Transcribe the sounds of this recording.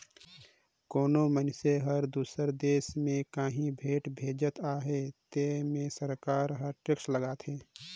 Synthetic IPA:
koːnomənseɦəɾd̪uːsəɾd̪eːsmẽkaːɦĩbʱeːʈbʱeːd͡ʒət̪aːɦet̪emẽsəɾkaːɾɦəɾʈɪksləɡaːt̪ɦeː

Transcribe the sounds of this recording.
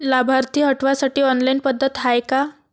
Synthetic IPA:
labʱaɾt̪iːɦəʈʋasaʈiːɔnlainpəd̪ʱːət̪ɦajka

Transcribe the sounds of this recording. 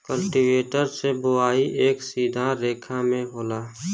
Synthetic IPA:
kəlʈiʋeːʈəɾsebʊaːiʔeːksiːd̪ʱãɾeːkʰamẽɦoːlaː

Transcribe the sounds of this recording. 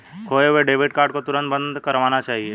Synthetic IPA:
kʰoːeweɖeːbɪʈkaːɾɖkot̪ʊɾə̃nt̪̚bə̃nd̪kɐɾʋaːnat͡ʃaːɦie

